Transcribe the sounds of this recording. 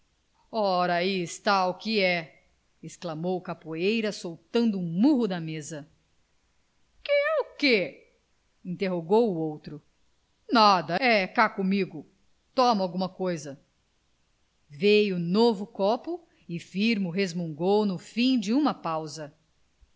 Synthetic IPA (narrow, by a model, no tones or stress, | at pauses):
ɔɾaiɪst̪aukɪɛ | ɪsklamowkapuejɾɐsowt̪ɐ̃nd̪ʊũmuɦʊd̪ɐmezɐ | kɪɛʊke | ĩnt̪eɦoɡowʊowt̪ɾʊ | nad̪ɐɛkakomiɡʊ | t̪ɔmawɡũmɐkojzɐ | vejʊnovʊkɔpʊ | ɪfiɾmʊɦezmõŋɡownʊfĩd͡ʒɪũmɐpawzɐ